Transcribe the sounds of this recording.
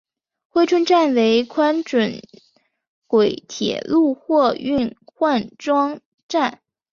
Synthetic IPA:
xwe˥ɪʈ͡ʂʰwə˥nʈ͡ʂa˥˩nwe˧˥ɪkʰwa˥nʈ͡ʂə˨˩n | kwe˨˩ɪt̪ʰjɛ̰˨˩˦lu˥˧xwɔ˥˧y˥˧nxwa˥˧nʈ͡ʂwɑ˥ŋ | ʈ͡ʂa˥˩n

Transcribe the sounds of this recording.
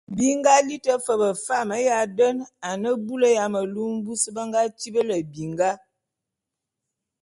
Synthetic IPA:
bi˦ŋɡa˦li˦tə˦fə˨bə˨fa˦˨mə˨˦ja˨də˦na˨nə˦bu˦lə˦ja˨mə˨lu˦m˦bu˦sə˦bə˦ŋɡa˦t͡ʃi˦bə˦lə˨bi˨ŋɡa˦

